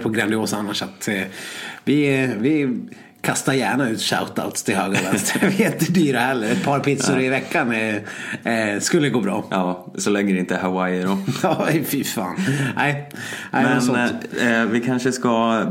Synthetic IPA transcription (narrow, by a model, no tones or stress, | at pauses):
pʰɔɡɾand̪ɪoːsanːaʂat̪ | vɪvɪ | kʰast̪aɾjæːɳaʉ̟ːt̪ʂa̰ʊt̪a̰ʊt̪st̪ʰɪlhøːɡvɛst̪vɪɪnt̪əd̪yːɾahɛlːəɾɛt̪̚pʰɑːɾpʰɪt̪sʊɾɪvɛkːanɛ | skɵlːəɡoːbɾɑ̰ːʔɑː | sɔlɛŋːəɾɛɪnt̪əhawajɖɔɑːfɪfɑ̰ːnʔæɪa̰mɛns | vɪkʰanʂəska